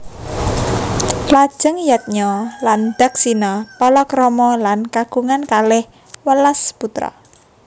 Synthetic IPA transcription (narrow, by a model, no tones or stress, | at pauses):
lad̥ʒ̥əŋjat̪̚ɲɔland̪̥a̤k̚sinɔpɔlɔkɾɔmɔlankaɡ̥uŋankalɪh | wəlasput̪ɾɔ̰